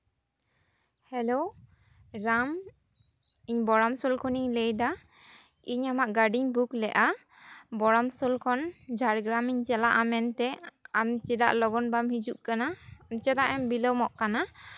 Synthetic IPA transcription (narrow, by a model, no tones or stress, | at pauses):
hɛlow | ɾam | iɲbɔɾamsɔlkʰɔniɲlejda | iɲamaʔɡaɖiɲbuklɛʔa | bɔɾamsɔlkʰɔnd͡ʒʱaɾɡɾamiɲt͡ʃɛlaʔamɛnt̪ɛamt͡ʃida̰ʔlɔɡɔnbamhid͡ʒuʔ̚kanaɔnt͡ʃat̪aʔɛmbiləwmɔʔkana